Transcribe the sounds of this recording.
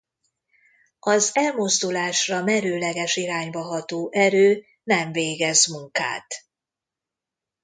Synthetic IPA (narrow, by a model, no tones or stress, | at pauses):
ɒzɛlmozd̪ulaːʃrɒmɛɾøːlɛɡɛʃiɾaːɲbɒɦɒt̪oːʔɛɾøː | nɛɱveːɡɛzmuŋka̰ːt̪